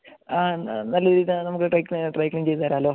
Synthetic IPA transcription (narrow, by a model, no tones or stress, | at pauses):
anɐlːɐɾiːnɐmukːɨʈrɐjkliʈrɐjkliŋɡt͡ɕejt̪ːaːɾaɐloː